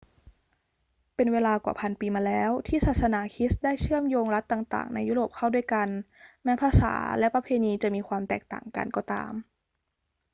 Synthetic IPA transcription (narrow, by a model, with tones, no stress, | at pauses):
pe˧nweː˧laː˧kwa̰˨˩pʰa˧npiː˧maː˧lɛː˦˥wt̪ʰiː˥˩saː˨˩t̪̚sa˧naː˩˦kʰi˦˥sdaː˥˩jt͡ɕɯ˥˩əmjoː˧ŋɾa˦˥t̪ːaː˨˩ŋt̪a̰ː˨˩ŋna˧juː˦˥ɾoː˨˩p̚kʰa˥˩wdu˥˩əjka˧nmɛː˦˥pʰaː˧sa̰ː˩˦lɛ˦˥pa˧pʰeː˧niː˧t͡ɕa˨˩miː˧kʰwaː˧mt̪ɛː˨˩k̚t̪a̰ː˨˩ŋka̰˧nkɔː˧˩t̪a̰ː˧m